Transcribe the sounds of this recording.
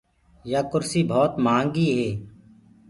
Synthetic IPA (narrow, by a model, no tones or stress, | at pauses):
jaːkʊɾsiːbʱɔːt̪maːŋɡiːɦeː